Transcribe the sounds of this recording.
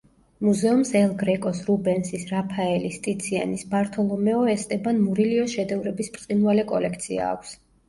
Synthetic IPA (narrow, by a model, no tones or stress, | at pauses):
muzɛumsɛlˠɡɾɛkʼɔsɾubɛnsisɾapʰaɛlist̪ʼit̪sʰia̰nisbaɾt̪ʰɔlˠɔmɛɔɛst̪ʼɛbanmuɾiliɔʃɛd̪ɛvɾɛbispʼt̪sʼinvalɛkʼɔlɛk̚ʰt̪sʰia̰ːkʷʰs